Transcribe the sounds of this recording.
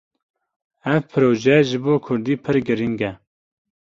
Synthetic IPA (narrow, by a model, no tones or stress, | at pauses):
ɛvpʰɨɾoːʒɛʒɨboːkʰʊɾd̪iːpʰɨɾɡɨɾiŋɡɛ